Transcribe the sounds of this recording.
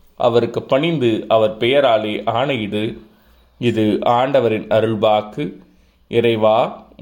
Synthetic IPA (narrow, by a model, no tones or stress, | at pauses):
ʔɐ̰ʋɐɾɯkːɯpːɐɳɪnd̪ɯʔɐʋɐɾpɛjɐɾaːleːʔaːɳɐjɪɽɯ | ɪðɯʔaːɳɖɐʋɐɾɪnɐɾɯɭbaːkɯ | ʔɪɾɐɪʋaː